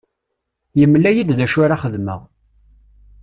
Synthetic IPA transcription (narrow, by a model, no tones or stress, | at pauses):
jəmːlːæjid̪ðæʃʊɾaχəðmə̰ʁ